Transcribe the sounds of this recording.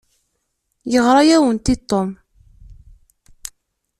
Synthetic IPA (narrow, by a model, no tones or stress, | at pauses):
jəʁɾˤɑjæwənt̪it̪ˤːom